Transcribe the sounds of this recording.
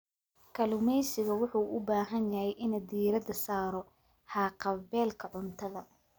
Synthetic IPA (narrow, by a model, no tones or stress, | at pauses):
kʰɐlʊmɛjsɪɣɐwʊħuːʔʊbaːɦɐnjɐhɛjʔɪnɐd̪iːɾɐd̪ɐsaːɾɔ | hɑːqɑbɛːlkʰɐʕʊnt̪ʰɐðɐ